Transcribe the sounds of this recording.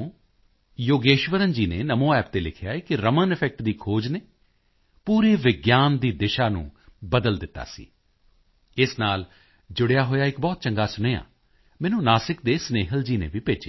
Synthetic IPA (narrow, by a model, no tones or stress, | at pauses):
joːɡeːʃʋəɾənd͡ʒiːneːnəmõːɛːp̚t̪eːlɪkʰjaːeːkɪɾəmənɪpʰɛk̚ʈd̪iːkʰoːd͡ʒneː | puːɾeːʋɪɡjaːnd̪iːd̪ɪʃaːnṵ̃ːbəd̪əld̪ɪt̪ːa̰ːsḭː | ɪsnaːl | d͡ʒʊɽejaːɦoːjaːɪkbɔːt̪̚t͡ʃəŋɡaːsʊneːa̰ː | mɛ̃ːnũːnaːsɪk̚d̪eːsneːɦəld͡ʒiːnḛːʋiːpeːt͡ʃeː